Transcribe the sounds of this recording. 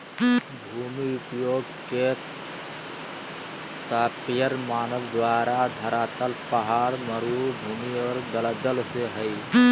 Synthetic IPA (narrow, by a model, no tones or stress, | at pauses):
bʱuːmiʊpjoːɡ | ke | t̪aːpjəɾmaːnəʋd̪waːɾad̪ʱəɾaːt̪əlpəɦaːɾməɾuːbʱuːmiɔːɾd̪ələd̪əlseɦəi